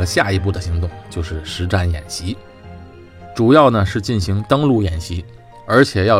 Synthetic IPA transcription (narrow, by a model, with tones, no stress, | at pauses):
ə˦ɕja˥˩i˧˥pu˥˩d̪ə˩ɕi˧˥ŋt̪ʊ˥˩ŋt͡ɕjo˥˧ʊʂɻ̩˥˩ʂɻ̩˧˥ʈ͡ʂa˥˩njɛ̰˨˩nɕi˧˥ | ʈ͡ʂu˨˩jɑ˥˩ʊnə˩ʂɻ̩˥˧t͡ɕi˥˩nɕi˧˥ŋt̪ɤ˥ŋlu˥˩jɛ˨˩nɕi˧˥ | ə˞˧˥t͡ɕʰjɛ˨˩jɑ˥˩